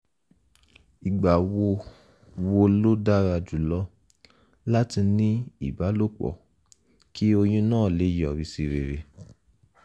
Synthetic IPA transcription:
i˨ɡ͡ba˨wo˧ | wo˧lo˦da˦ɾa˧d͡ʒu˨lɔ˦ | la˦ti˧nĩ˦i˦˨ba˨˦lo˦k͡pɔ̰˨ | ki˦o˧j̃ũ˦nãː˦˨le˨˦jɔ˨ɾi˧˦si˧ɾe˨ɾe˧

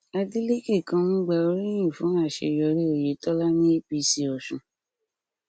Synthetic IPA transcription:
a˧di˦le˦ke˦˨kã˧nũ˦ɡ͡ba˧o˧˦ɾĩ˦ĩ˦˨fũ˨˦a˦˨ʃḛ˧˨jɔ˧ɾe˦o˨je˨˦tɔ˦la˦nĩ˦i˦bi˨˧si˧ɔ˨ʃũ˨

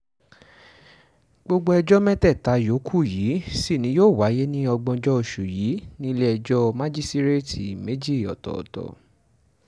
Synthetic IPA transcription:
ɡ͡bo˧ɡ͡bo˦ɛ˧d͡ʒɔ˦mɛ̃˦tɛ˦˨ta˨˦jo˨˦kʰu˦˨jiː˨˦si˦˨nĩ˨˦joː˦˨wa˨˦je˦nĩ˦ɔ˧ɡ͡bɔ̃˧d͡ʒɔ˦o˧˨ʃu˨jiː˨˦nĩ˦i˦lɛ˦ɛ˧d͡ʒɔ˦mã˦d͡ʒi˦sti˦ɾe˦tʰi˨me˨˦d͡ʒi˦˨ɔ̰˨tɔ̰˨tɔ̰˨

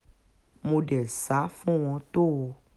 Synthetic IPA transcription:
mõ˧ɖɛ˨sa˨˦fũ˦w̃ɔ̃˧t̪o˦˨o˧

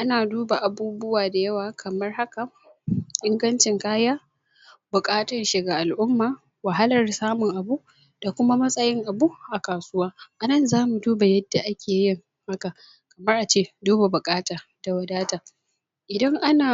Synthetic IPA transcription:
ʔa˦naː˨duː˦ba˨ʔa˨buː˦bʊ˦waː˨da˨jɐ˦waː˨kʰɐ˨mɐ˦rha˦ka˨ | ʔɪ˦ŋɡɐ˦nt͡ʃɪ˨ŋkaː˦jaː˦ | bʊ˨kʼaː˦tɐ˨nʃɪ˨ɡaː˨ʔa˨lʔʊ˦mːaː˨ | wɐ˨ɦa˦lɐ˨rsaː˦mʊ˨ŋʔa˨buː˦ʔ | d̥a˨kʷʊ˦ma˦mɐ˦sʼɐ˦jɪ˦ŋʔa˨buː˦ʔa˨kaː˨sʊ˦waː˦ʔa˨nɐ˦˨nzaː˦mu˨duː˦ba˨jɐ˦dːa˨ʔa˦kʲʰeː˨jɪ˦ŋ | ha˦ka˨ | kɐ˨mɐ˦rʔa˨t͡ʃeː˦duː˦ba˨bʊ˨kʼaː˦taː˨d̥a˨wɐ˨daː˦taː˨ | ʔɪ˨dɐ˦ŋʔa˦naː˨

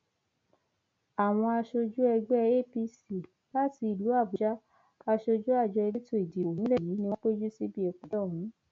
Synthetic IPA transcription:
a˨w̃ɔ̃˧a˧ʃo˧d͡ʒu˦ɛ˧ɡ͡bɛ˦e˦˨pi˧si˦˨ | la˦ti˧i˨lu˨˦a˦˨bu˨d͡ʒa˦ | a˧ʃo˧d͡ʒu˦a˦˨d͡ʒɔ˧e˧li˦to˦˨i˨di˨o˨nĩ˦lɛ˦˨ji˨˦nĩ˧wɔ̃˦k͡pe˦d͡ʒu˦si˦bi˦ɛ˨k͡pũ˨dɔ˦˨ɦũ˨˦

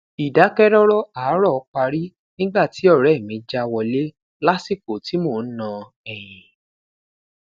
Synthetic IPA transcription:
i˨da˨˦kɛ˦ɾɔ˦ɾɔ˦aː˨˦ɾɔ˦˨ɔ˧k͡pa˧ɾi˦ | nĩ˦ɡ͡ba˦˨ti˨˦ɔ˦˨ɾɛ˨˦˨mĩ˧d͡ʒa˦wɔ˧le˦ | la˦si˦˨ko˨ti˨˦mo˦˨n̩˦nã˧ | ɛ˨j̃ĩ˨

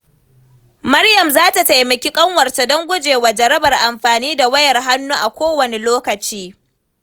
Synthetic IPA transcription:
mɐ˦rjɐ˨mzaː˦ta˨ta˨jmɐ˨kʲi˦kʼɐ˦ŋwɐ˨rta˨dɔ˦ŋɡʷʊ˦d͡ʒeː˨waː˨d͡ʒɐ˨ɾɐ˦bɐ˨rʔa˨mɸaː˨niː˦da˨wɐ˦jɐ˨rɦa˦nːuː˦ʔa˨kʷoː˦wɐ˨ne˨loː˦kɐ˨t͡ʃiː˦

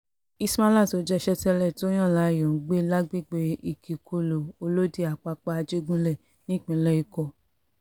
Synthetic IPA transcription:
i˧sma˦la˦˨to˨˦d͡ʒɛ˧ʃɛ˧tɛ˧lɛ˦˨tj̃ã˦˨la˨˦˨jɔ̃˨˦ɡ͡be˦la˦ɡ͡bi˦˨ɡ͡be˧i˨kʰi˨kʰo˧lo˨o˧lo˦di˦a˨k͡pa˧k͡pa˧a˧d͡ʒe˦ɡũ˦lɛ˦˨ | nĩ˦˨k͡pĩ˨lɛ˦i˧kɔ˧˨

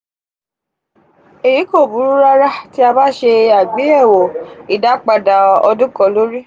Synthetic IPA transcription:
e˨ji˨˦ko˦˨bu˨˦ɾu˦ɾa˦ɾa˦ti˦a˧ba˦ʃe˧a˨ɡ͡bi˨˦ɛ˦˨wɔ˨i˨da˨˦k͡pa˧da˨ɔ̰˧dũ˦kɔ˧lo˦ɾi˦

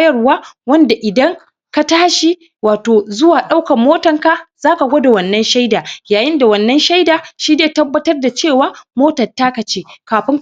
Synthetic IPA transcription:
jɐ˦˨˦waː˦wɐ˦nda˨ʔɪ˨dɐ˦ŋ | ka˦taː˦ʃi˦˨ | waː˨toː˨zʊ˦waː˨ɗa˦wkɐ˨mːoː˦tɐ˨ŋka˦z̥aː˦ka˨ɡʷoː˦da˨wɐ˨nːɐ˦nʃa˦jdaː˨jaː˨jɪ˦nda˨wɐ˨nːɐ˦nʃa˦jdaː˨ʃiː˦neː˦˨tɐ˦bːɐ˦tɐ˦rda˨t͡ʃeː˦˨waː˦moː˦tɐ˨tːaː˦ka˨t͡ʃeː˦kaː˨ɸɪ˦ŋ

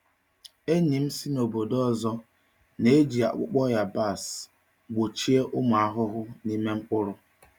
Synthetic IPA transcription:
e˦ɲi˨m̩˦si˦no˨bo˨dɔ˦˨zɔ˦ | ne˦d͡ʒi˨a̰˨k͡pʊ˦k͡pɔ˦ja˨ba˦˨s | ɡ͡bo˨t͡ʃi˦e˦ʔʊ˦mʊ˨a˦ɦʊ˦ɦʊ˦ni˦me˦ŋ͡m̩˦k͡pʊ˦ɾʊ˦

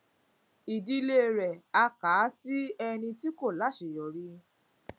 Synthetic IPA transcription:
i˨di˧le˦˨ɾɛ˨a˧kaː˨˦si˦ɛ˧nĩ˧ti˦ko˦˨la˨˦ʃe˨jɔ˨ɾi˦

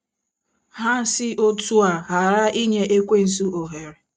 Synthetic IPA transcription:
ɦa˦n̩˦sɪ˦ʔo˦tu˦a˨ɦa˨ɾa˦i˦ɲe˨ʔe˦kʷe˦n̩˨s̬u˦o˨ɦe˨ɾe˨

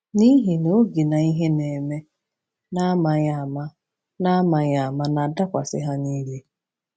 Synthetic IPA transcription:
ni˦ɦi˨no˦ɡi˨na˨i˦ɦe˦ne˨me˦ | na˦ma˨a˦˨ma˦ | na˦ma˨ɲa˨ma˦na˨da˦kʷa˨sɪ̰˦ɦa˦niː˦li˦

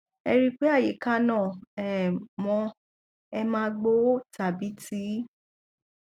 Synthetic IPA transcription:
ɛ̰˧ɾi˦k͡pe˦a˦˨je˨˦ka˦nã˦˨ɛ˨mɔ̃˧ | ɛ˧mãː˦ɡ͡bo˦ta˨bi˨˦ti˦

